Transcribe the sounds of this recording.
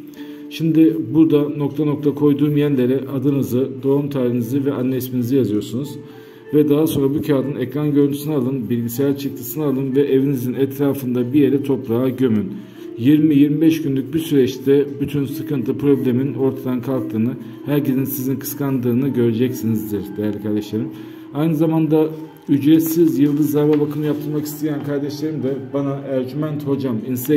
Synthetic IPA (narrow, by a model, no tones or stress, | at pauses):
ʃimd̪ɪbuɾd̪ano̞k̚t̪ʰano̞k̚t̪ʰakʰo̞jd̪uːmjænlʲe̞ɾɛʔad̪ɯnɯzɯd̪o̞umt̪ʰaːɾinizivɛʔanːɛisminizijazɯjo̞ɾsunuz | vɛd̪aɦaso̞nɾabucʰaːd̪ɯnɛkɾanɟø̞ɾynʰy̥sinɛalˠɯnbilʲɟisejæɾt͡ʃʰɯk̚t̪ʰɯsɯnɯalˠɯnvɛʔevinizinɛt̪ʰɾaːfɯnd̪abijeɾɛt̪ʰo̞pɾaaɟø̞myn | jiɾmijiɾmibɛʃɟynlʲyc̚bisyɾɛt͡ʃt̪ʰɛbyt̪ʰynsɯkɯnt̪ʰɯpɾo̞blʲe̞mino̞ɾt̪ʰad̪ankʰalˠk̚t̪ʰɯːnɯ | hæɾcezinsizinkʰɯ̥skʰand̪ɯːnɯɟø̞ɾed͡ʒɛcsinizd̪iɾd̪ejælʲikʰaɾd̪ɛʃlˠaɾɯm | ajnɯzamand̪a | yd͡ʒɾɛt̪sizjɯlˠd̪ɯzːaɾbabakʰɯnɯjap̚t̪ʰɯɾmaki̥st̪ʰejænkʰaɾd̪ɛʃlˠaɾɯmd̪ɛbanaʔæɾd͡ʒymænt̪ho̞d͡ʒaminst̪ɛ